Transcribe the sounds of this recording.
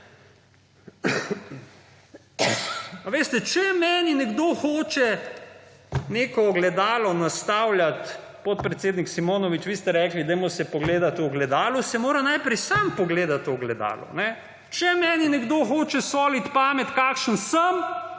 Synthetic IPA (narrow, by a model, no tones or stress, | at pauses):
aʋeːst̪ɛt͡ʃɛmɛːninɛɡd̪oːxoːt͡ʃɛ | neːkɔɡlɛd̪aːlɔnast̪awljat̪ | pot̪̚pɾɛt̪seːd̪niksimoːnɔʋit͡ʃʋiːst̪ɛɾɛːklid̪ɛjmɔsɛpɔɡleːd̪at̪ɔɡlɛd̪aːlusɛmoːɾanajpɾɛjsampɔɡleːd̪at̪oɡlɛd̪a̰ːlɔ̰nɛ | t͡ʃɛmɛːninɛɡd̪oːxoːt͡ʃɛsoːlit̪paːmɛt̪kakʃənsəm